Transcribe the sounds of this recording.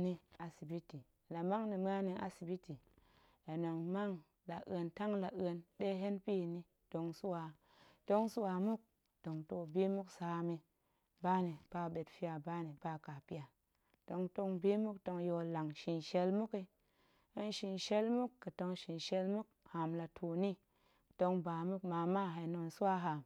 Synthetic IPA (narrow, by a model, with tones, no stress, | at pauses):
ni˧a˨si˨bi˦ti˨la˨ma˦ŋni˨m˦a˦ni˧ʔa̰˦si˨bi˦ti˨ | a˨no˨ŋma˦ŋ | la˨ʔə˨nta˦ŋla˨ʔə˧nɗe˦ɦe˦npi˦˨ni˦ | d̥o˧ŋsu˦wa˨ | to˦ŋsu˦wa˨mu˦k̚ | to˨ŋto˨bi˦mu˦ksaː˨˦mi˧ | ba˦ni˨b̥a˦be˨tfi˦a˨ba˦ni˨b̥a˦ka˨pi˦ja˨ | d̥o˨˧ŋto˧ŋbi˦mu˦kto˧ŋjo˧la˨ŋʃi˨nʃe˦lmu˦ki˧ | ə˦nʃi˨nʃe˦lmu˦kːə˨to˧ŋʃi˨nʃe˧lmu˦k̚ha˨mla˨tʰu˨ni˦˨ | to˧ŋba˨mu˦kma˨ma˦ɦe˨no˨nsu˦wa˦ɦa˨m